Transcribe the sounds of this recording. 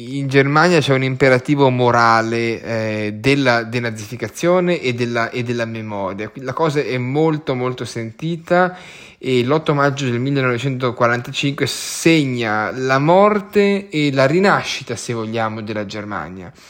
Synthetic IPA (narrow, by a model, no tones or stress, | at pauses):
ind͡ʒermanjat͡ʃɛunimpeɾat̪iːvomoɾaːle | d̪elːad̪enad̪zːifikat̪sːjoːneʔːd̪ːelːaʔed̪ːelːamemɔːɾjalakɔːzaɛmːolt̪omolt̪osent̪iːt̪a | elːɔt̪ːomad͡ʒːod̪elmilːenɔvet͡ʃɛnt̪okwaɾant̪at͡ʃiŋkweseɲːalamɔrt̪eːlaɾinaʃːit̪asevːoʎːaːmod̪elːad͡ʒerma̰nja̰